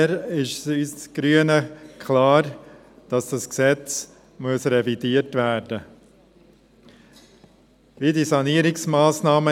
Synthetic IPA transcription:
ɾɪʃsyːst͡sɡ̥ɾyənəkʰlaːɾ | d̥ɑsd̥ɑsksɛt͡s | muəsɾɛvidiːəɾtvæɾd̥ə | ʋidisɑniːɾɪksmaːsnɑːmə

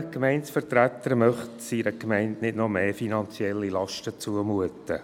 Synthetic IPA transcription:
kmɛɪntsfərtræt̪ːəɾmœχtsiːɾəkmɛɪntnɪdnɔmeːfinɑnt͡sjɛlːilɑʃtət͡suəmuətə

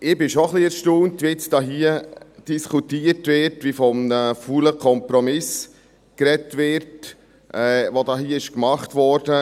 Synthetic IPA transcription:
ʔɪbɪʃoχliɛɾʃtoːntʋiɪt͡sd̥ɑːɦiːəd̥iskʰutiːəɾtʋɪɾtʋifɔmnəfuːləkʰɔmpɾɔmɪs | kɾɛtʋɪɾt | ʔɛːvodɑːɦiːəɪʃkmɑχtvɔɾdə

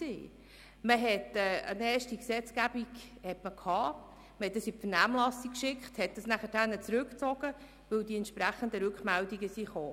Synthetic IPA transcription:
ḭː | məɦɛtɛːənɛːɾʃtiksɛt͡skæb̥iɡhɛtməkʰhɑː | məhɛtdəsifənæːmlɑsikʃɪkχthɛt̚d̥ɑsnæχədænːət͡sɾʉkt͡sɔɡ̥ə | ʋɵwdiɛnt̪ʃpɾæχəndəɾʉkmældiɡəsiχoː

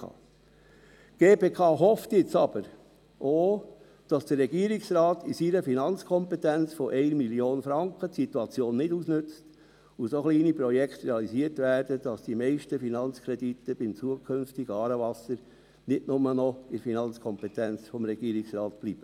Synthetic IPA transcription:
ɑ̰ | ɡ̥eːpeːkʰɑːɦɔft̪jɪt͡sɑb̥əɾ | ʔoː | d̥ɑsd̥əɾːɛɡ̥iːɾiksɾɑːt̪isiɾəfinɑnt͡skʰɔmpɛt̪ænt͡sfɔʔɛɪnmiljoːnfɾɑŋkətsit̪uɑt͡sjoːnːɪdusnʏt͡st | usoχliːnipɾɔjɛkχt̪ɾeɑlisiːətvæːɾdəd̥ɑsd̥imɛɪʃtəfinɑnt͡skʰɾɛdit̪əb̥ɪmt͡suəkʰʏnftiɡəɑːɾəvɑsəɾ | nɪdnʊmənɔɪɾfinɑnt͡skʰɔmpɛtænt͡sfɔmɾɛɡ̥iːɾiksɾɑːt̪b̥liːb̥ə

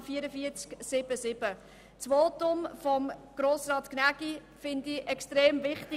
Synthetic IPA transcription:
fiəɾəfiət͡sksɪb̥əsɪb̥ə | t͡sʋoːtʊmfɔmɡ̥ɾoːsɾɑːt̪knæɡi | fɪnd̪iʔɛkstɾeːmvɪχtɪ

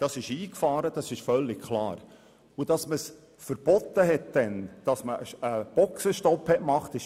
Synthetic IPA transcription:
d̥ɑsɪʃiːkfɑːɾəd̥ɑsɪʃfœlːɪkkʰlɑ̰ːɾ | ud̥ɑsməs | fəɾb̥ɔt̪ːəɦɛt̚d̥ɛnd̥ɑsməəb̥ɔksəʃtɔphɛʔmɑχt̪ɪʃ

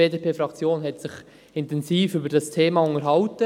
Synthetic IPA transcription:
eːdeːpʰeːfɾɑkt͡sjoːnɦɛtsɪχ | ɪntɛnziːfybəɾd̥ɑstʰeːmɑʊnəɾɦɑʊtə

